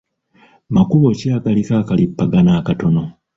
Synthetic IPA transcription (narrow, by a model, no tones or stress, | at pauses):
makuβo̞caːɡalikaːkalipːaɡanaːkato̞no̞